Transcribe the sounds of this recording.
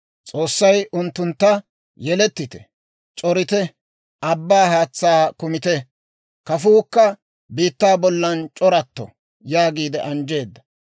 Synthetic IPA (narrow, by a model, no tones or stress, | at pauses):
t͡sʼoːsːɐjʊnt̪ːʊnt̪ːɐ | jɛlɛt̪ːɪt̪ɛ̥̰ | t͡ʃʼɔɾɪt̪ɛ | ʔɐbːaːhaːt͡sːaːkʊmɪt̪ɛ | kɐfuːkːɐ | biːt̪ːaːbɔlːɐnt͡ʃʼɔɾɐt̪ːɔ̰ | jaːɡiːd̪ɛʔɐnd͡ʒe̞ːd̪ːɐ̥